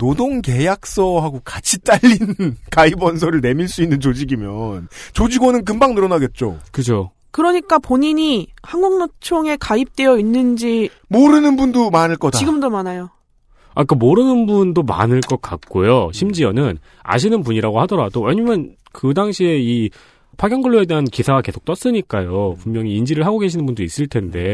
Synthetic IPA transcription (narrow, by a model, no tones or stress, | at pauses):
nodoŋke̞jak̚s͈ʌɦaɡokat͡ɕʰit͈aʎːinnkaibʌns̬ʰoɾɯɭne̞miɭs͈uinːɯnt͡ɕod͡ʑiɡimjʌnt͡ɕod͡ʑiɡonɯnk̬ɯmbaŋnɯɾʌnaɡe̞t̚t͡ɕ͈o̰kɯd͡ʑo | kɯɾʌɲik͈apoɲiɲihaŋɡoŋnot͡ɕʰoŋe̞kaip̚t͈e̞jʌinːɯnd͡ʑi | moɾɯnɯnbundomanɯɭk͈ʌdaiɡɯmdomanajo | ak͈amoɾɯnɯnbundoma̰nɯɭk͈ʌk̚k͈ak̚k͈ojoɕʰimd͡ʑiʌnɯn | a̰ɕ̬ʰinɯnpuɲiɾaɡohadʌɾadowe̞ɲamjʌn | kɯdaŋɕʰie̞i | pʰaɡjʌŋɡɯɭːoe̞de̞ɦankisʰaɡake̞sʰok̚t͈ʌs͈ɯɲik͈ajopumɲjʌŋiːnd͡ʑiɾɯɭɦaɡoɡe̞ɕ̬ʰinɯnbundois͈ɯɭtʰe̞nde̞